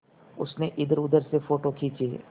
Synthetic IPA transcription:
ʊsneʔɪd̪əɾʊd̪əɾsefoːʈokʰiːt͡ʃiː

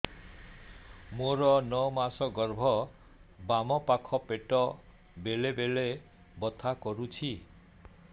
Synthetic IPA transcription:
moɾɔnɔmasɔɡɔɾbʱɔ | bamɔpakʰɔpeʈɔ | belebele | bɔt̪ʰakɔɾut͡ʃʰi

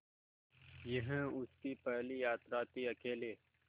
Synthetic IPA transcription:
jeɦɛ̃ʊskipɛɦlijaːt̪ɾaːt̪iɐkeːleː

